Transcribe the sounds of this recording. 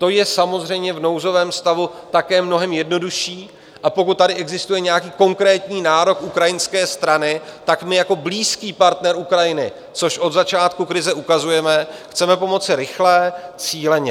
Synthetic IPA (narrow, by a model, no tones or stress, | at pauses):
t̪o̞jɛsamo̞zr̝ɛjmɲɛvno̞wzo̞vɛːmst̪avu | t̪akɛːmno̞ɦɛmjɛdno̞duʃiː | ʔapo̞kut̪̚ːadɪʔɛɡzɪst̪ujɛɲɛjakiːko̞ŋkɾɛːt̪ɲiːnaːɾo̞kʔukɾajɪnskɛːst̪ɾanɪt̪akmɪjako̞bliːskiːpaɾt̪nɛɾʔukɾajɪnɪ | t͡so̞ʃʔo̞d̪zat͡ʃaːt̪kukɾɪzɛʔukazujɛmɛxt͡sɛmɛpo̞mo̞t͡sɪɾɪxlɛːt͡siːlɛɲɛ